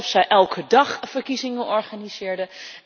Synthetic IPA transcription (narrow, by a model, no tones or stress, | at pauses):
fsɛjʔɛlˠkʰədɑχfəɹkizɪŋəʔɔɹχaniz̥ɪːɹdə